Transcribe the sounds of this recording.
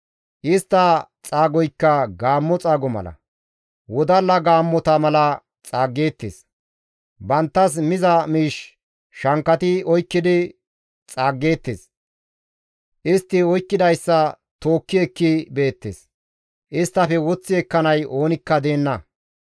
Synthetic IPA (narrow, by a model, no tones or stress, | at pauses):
ʔɪst̪ːɐt͡sʼaːɡɔjkːɐɡaːmːɔt͡sʼaːɡɔmɐ̰lɐ̰ | wɔd̪ɐlɐɡaːmːɔt̪ɐmɐlɐ | t͡sʼaːɡːe̞ːt̪ːḛːs | bɐnt̪ːɐs̬mɪzɐmiːʃ | ʃɐŋkːɐt̪ɪɔjkːɪd̪ɪ | t͡sʼaːɡːe̞ːt̪ːḛːs | ʔɪst̪ːɪɔjkːɪd̪ɐjsːɐ | t̪o̞ːkːɪɛkːɪbe̞ːt̪ːeːs | ʔɪst̪ːɐfɛwɔt͡sːɪɛkːɐnɐjo̞ːnɪkːɐd̪e̞ːnːɐ